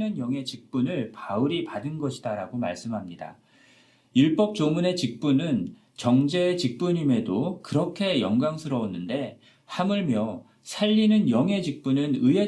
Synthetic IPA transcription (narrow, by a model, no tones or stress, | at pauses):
nɯnjʌŋe̞t͡ɕik̚p͈unɯɭpauɾipadɯnɡʌɕʰidaɾaɡoma̰ɭs͈ɯmɦamɲida̰ | iɭp͈ʌp̚t͡ɕ͈omune̞t͡ɕik̚p͈unɯn | t͡ɕʌŋd͡ʑe̞ːt͡ɕik̚p͈uɲime̞dokɯɾʌkʰe̞jʌŋɡaŋsʰɯɾʌonːɯnde̞ | hamɯɭmjʌ | sʰaʎːinɯnjʌŋe̞d͡ʑik̚p͈unɯnɯɦe